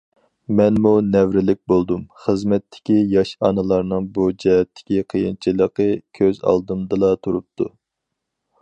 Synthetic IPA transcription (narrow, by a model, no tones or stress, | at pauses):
mɛnmunɛvɾɪlɪk̚ʲbolˠd̪umχəzmɛt̪ʰːɪ̥kʲijɑʃɑnɨlˠɑɾnɨŋbud͡ʒɛɦɛt̪ʰːɪ̥kʲiqʰəjint͡ʃʰilˠəqəkʲʰøzɑ̰lˠd̪ɨmd̪ɨlˠɑt̪ʰuɾup̚t̪ʰu